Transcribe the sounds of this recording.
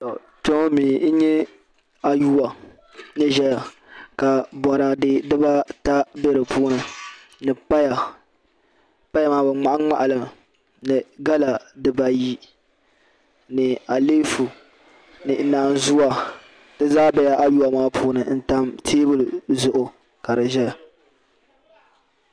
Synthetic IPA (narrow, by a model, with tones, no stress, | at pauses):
tɔ˨ | to˦miː˨n̩˦ɲɛ˦ | a˨ju˦wa˨ | nɨ˦ʒɛ˦ja˨ | ka˨bɔ˨ɾa˨dɨ˦dɨ˦ba˦ta˦be˦ɾɨ˨pʰuː˦nɨ˨ | nɨ˨pa˦ja˨ | pa˦ja˦maː˦bɨ˨ŋ͡ma˨ʔa˦ŋ͡ma̰˨ʔa˨lɨ˨ | nɨ˨ɡa˦la˨dɨ˦ba˨ji˦ | nɨ˨a˨liː˦fu˨ | nɨ˨naː˨nzʊ˦wa˨ | dɨ˦zaː˦bɛ˦ja˦ʔa˦ju˦a˨maː˦pʰuː˦nɨ˨˦n̩˦ta˦mtʰeː˦bɨ˦lzʊ˨ʔʊ˨ | ka˨ɾɨ˨ʒɛ˦ja˨